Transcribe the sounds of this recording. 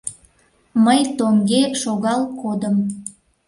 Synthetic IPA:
məjt̪oŋɡeʃoɣɑlkod̪əm

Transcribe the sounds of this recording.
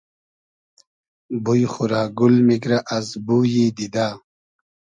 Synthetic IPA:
bujxuɾaːɡulmikɾaʔɐzbuːjiːd̪id̪aː

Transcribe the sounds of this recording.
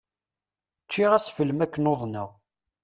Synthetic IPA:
t͡ʃːiʁæsfəlmækːənoðˤnə̰ʁ

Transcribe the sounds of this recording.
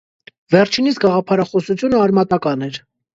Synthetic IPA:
vɛɾt͡ʃʰinit͡sɡɑʁɑpʰɑɾɑχɔsut͡sʰjunəɑɾmɑt̪ɑkɑnɛɾ

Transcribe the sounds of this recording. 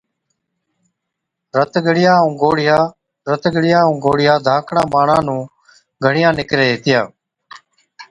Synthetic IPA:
ɾət̪ɡʱəɽɪjaːʊ̃ːɡoːɽɪjaː | ɾət̪ɡəɽɪjaːũːɡoːɽɪjaːd̪ʱaːkʰɽãːbaːɳãːnũː | ɡʱəɽɪjãːnɪkɾeːɦeːt̪ɪjaː

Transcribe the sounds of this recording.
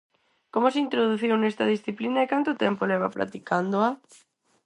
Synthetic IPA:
komos̬eint̪ɾoðuθiwnest̪ɐðisθiplinaekant̪ʊt̪ɛmpolɛβ̞a̰pɾa̰t̪ikand̪oa

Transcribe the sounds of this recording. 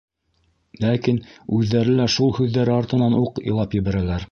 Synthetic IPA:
lækinʉðːæɾɘlæʃulˠhʉðːæɾɘɑɾt̪ɤ̆nɑnuqŏ̰lˠɑpjɘ̆βæɾælæɾ

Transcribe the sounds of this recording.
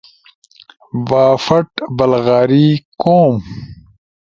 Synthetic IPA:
baːfɐʈbɐlɣaːɾiːkoːm

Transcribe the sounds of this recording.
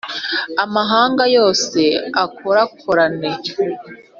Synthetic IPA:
amaɦaːŋɡajo̞ːse̞akʰoɾakʰoɾane

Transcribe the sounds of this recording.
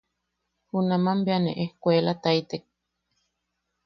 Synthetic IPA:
hunamambeanḛʔehkʷelat̪ajt̪ek̚

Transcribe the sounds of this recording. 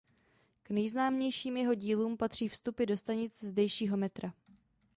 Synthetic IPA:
knɛjznaːmɲɛjʃiːmjɛɦo̞ɟiːluːmpat̪r̝̥iːfst̪upɪdo̞st̪aɲɪt͡sɛzdɛjʃiːɦo̞mɛt̪ɾa

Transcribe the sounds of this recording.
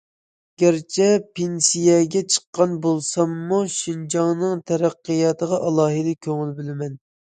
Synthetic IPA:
ɡʲæɾt͡ʃʰɛpʰensijɛɡʲɛt͡ʃʰə̥qːɑnbolˠsɑmːuʃind͡ʒɑŋnɨŋt̪ʰɛɾæqːəjɑt̪ʰəʁɑʔɑlˠɑːɦɨd̪ɛkʲʰøŋɪlbɪlɪmɛn

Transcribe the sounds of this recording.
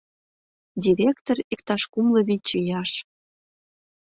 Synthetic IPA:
dʲiɾʲekt̪orikt̪ɑʃkumlɤ̆βit͡ɕijɑʃ

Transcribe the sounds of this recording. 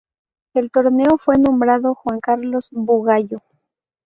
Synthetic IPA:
elt̪o̞ɾne̞o̞fwe̞nõ̞mbɾaðo̞xwaŋkaɾlo̞sbuɣaʝo

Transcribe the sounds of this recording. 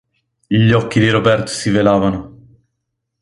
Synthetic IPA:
ʎɔkːid̪iɾobɛrt̪o̥sivelaːvano

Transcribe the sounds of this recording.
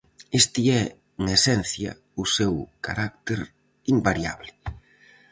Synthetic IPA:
est̪iɛ | uŋesɛn̟θjɐ̰ | ʊsewka̰ɾak̚t̪eɾ | imbaɾja̰βlɪ

